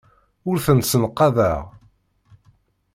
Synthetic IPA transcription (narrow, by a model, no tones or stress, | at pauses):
ʊɾθənsənqːɑðæʁ